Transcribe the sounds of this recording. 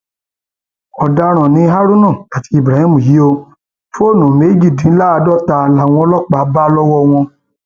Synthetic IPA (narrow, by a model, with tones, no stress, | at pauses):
ɔ˨da˧ɾ̃ã˨nĩ˧˦ɦa˦ɾu˦nã˦˨ka˨ti˨˧˦i˦˨bɾa˨hĩ˦mũ˨ji˨˦o˧ | fo˦˨nũ˨me˨˦d͡ʒi˦˨dĩ˨˦la˦˧dɔ˦˨ta˨˧la˨˦w̃ɔ̃˧˦lɔ˦˨k͡pa˨˦ba˦lɔ˦wɔ˦w̃ɔ̃˧